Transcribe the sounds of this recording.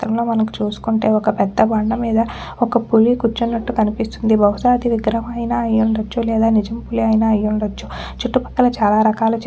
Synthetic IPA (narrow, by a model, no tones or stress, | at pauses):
t̪ɾɐmlo̞ːmɐnɐku̥t͡ʃuːsu̥kuɳʈe̞ːɔkɐpɛd̪ːɐbɐɳɖɐmiːd̪ɐ | ɔkɐpulikut͡ʃːunːɐʈːukɐnipist̪und̪ibɐwusaːd̪iʋiɡɾɐmɐjinaːɐjuɳɖɐt͡ʃːulɛːd̪aːnid͡ʒɐmpuliɐjnaːɐjːuɳɖɐt͡ʃːu | t͡ʃuʈːupɐ̥ʈ̪ːɐlɐt͡ʃaːlaːɾɐkaːlɐt͡ʃ